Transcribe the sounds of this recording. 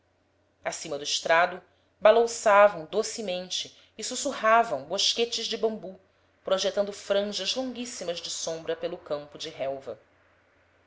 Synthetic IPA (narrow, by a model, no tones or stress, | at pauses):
asĩmɐd̪ʊiʃt̪ɾad̪ʊ | balɐ̃savɐ̃w̃d̪osimẽnt͡ʃɪː | susuɦavɐ̃w̃boʃket͡ʃɪʒd͡ʒɪbɐ̃mbu | pɾoʒet̪ɐ̃nd̪ʊfɾɐ̃ʒɐzlõŋɡisimɐzd͡ʒɪsõmbɾɐpelʊkɐ̃mpʊd͡ʒɪɦɛwvɐ̰